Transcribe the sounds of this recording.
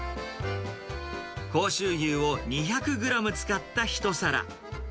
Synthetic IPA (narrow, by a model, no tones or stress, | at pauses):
ko̞ːɕɨːjʲɯːo̞ɲ̟içakɯ̟ɡɯ̟ɾamɯ̟t͡sɨ̥kat̪ːaçi̥t̪o̞saɾa̰